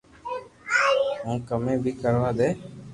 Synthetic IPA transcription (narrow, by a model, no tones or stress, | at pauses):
ɔ̃kəmɛ̃bikəɾwad̪ɛ